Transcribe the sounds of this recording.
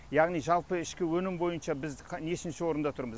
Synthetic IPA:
jɑʁnijʒɑlˠpəɪʃkʲɪwɵnɪmbo̞jənʃɑbɪzqʰne̞ʃɪnʃɪwo̞ɾənd̪ɑt̪ʰʊɾməz

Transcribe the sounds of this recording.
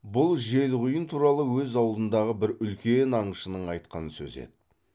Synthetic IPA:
bʊlˠʒe̞lʁʊjənt̪ʰuɾɑlˠəwɵzɑwlˠd̪ənd̪ɑʁəbɪɾʏlkʲe̞nɑɴəʃənəɴɑjt̪qɑ̰nəsɵ̰zḛd̪

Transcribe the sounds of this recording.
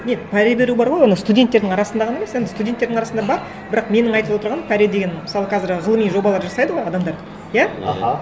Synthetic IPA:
nepʰæɾebe̞ɾubɑɾʁojwo̞nəst̪udʲe̞nt̪ːe̞ɾd̪ɪŋɑɾɑsənd̪ɑʁɑneme̞sje̞nd̪ɪst̪udʲent̪ːe̞d̪ɪɑɾɑsnd̪ɑbɑɾ | bɪɾɑqme̞nɪŋɑjt̪əlˠwo̞t̪əɾʁɑnpʰæɾed̪eɡʲe̞nməsɑlˠəqʰɑzɪɾʁəlˠəmijʒo̞bɑlˠɑɾʒɑsɑjd̪əʁo̞jɑd̪ɑmd̪ɑɾə | jæ̰

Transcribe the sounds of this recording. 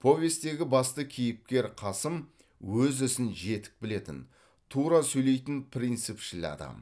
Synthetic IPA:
pʰo̞vʲe̞st̪t̪e̞ɡʲɪbɑst̪əkʲʰijɪp̚kʲe̞ɾqʰɑsəm | wɵzʏsɪnʒe̞t̪ɪ̥k̚bɪle̞t̪ɪn | t̪ʰuɾɑsɵjle̞jt̪ɪnpʰɾʲijnt̪sɨpʃɪlɪ̰ɑ̰d̪ɑ̰m

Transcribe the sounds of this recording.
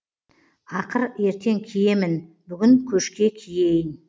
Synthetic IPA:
ɑqəɾe̞ɾt̪ʰe̞ŋkʲʰije̞mɪn | bʏɡʲɪŋkʲʰɵʃkʲe̞kʲʰije̞jɪn

